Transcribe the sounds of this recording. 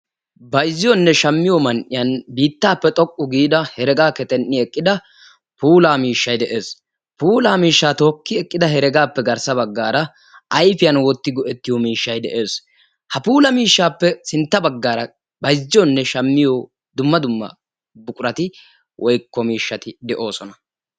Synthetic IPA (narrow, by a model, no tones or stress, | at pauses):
bɐjzːɪjɔnːɛʃɐmːɪjɔmɐnʔɪjɐnbiːt̪ːaːpːɛt̪ʼɔkʼːʊɡiːd̪ɐhɛɾɛɡaːkɛt̪ʼɛnːɪɛkʼːɪd̪ɐ | puːlaːmiːʃːɐjd̪ɛʔe̞ːs | puːlaːmiːʃːaːt̪o̞ːkːɪɛkʼːɪd̪ɐɦɛɾɛɡaːpːɛɡɐɾsɐbɐɡːaːɾɐ | ɐjfɪjɐnwɔt̪ːɪɡɔʔɛt̪ːɪjɔmiːʃːɐjd̪ɛʔe̞ːs | hɐpuːlɐmiːʃːaːpːɛsɪnt̪ːɐbɐɡːaːɾɐ | bɐjd͡ʒːɔnːɛʃɐmːɪjɔ | d̪ʊmːɐd̪ʊmːɐ̰ | bʊkʼʊɾɐt̪ɪ | wʔɔjkːɔmiːʃːɐt̪ɪd̪ɛʔo̞ːsɔnɐ̥